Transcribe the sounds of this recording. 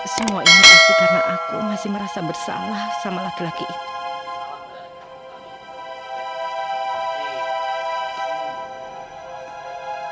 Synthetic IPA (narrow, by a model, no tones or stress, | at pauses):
səmuaʔinit̪atukənaʔakṵmasɪhməɾasabərsa̰mlahsamalakilakiʔiu